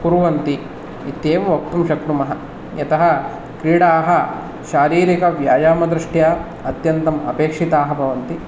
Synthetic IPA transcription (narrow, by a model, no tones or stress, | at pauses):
puɾuʋɐnt̪i | it̪eːʋɐʋɐk̚t̪umʃɐk̚ʈ̪umɐɦɐ | jɐt̪ɐɦɐ̆ | kɾiːɽaːɦɐ | ʃaːɾiːɾikɐʋja̰ːjaːmɐd̪ɾiʂʈjaː | ɐt̪jɐnt̪ɐmɐ̰peːkʂit̪aːɦɐbʱɐʋɐnt̪i